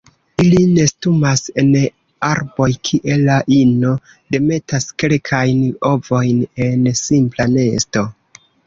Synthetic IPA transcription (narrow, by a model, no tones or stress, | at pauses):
iline̞stumase̞n | aɾbo̞jkʰiʔe̞laʔino̞ | de̞me̞taske̞lkʰajno̞vo̞jne̞nsimplane̞sto̞